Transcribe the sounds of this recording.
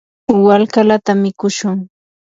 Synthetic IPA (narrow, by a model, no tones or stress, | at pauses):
walkalat̪amɪkʊʃʊŋ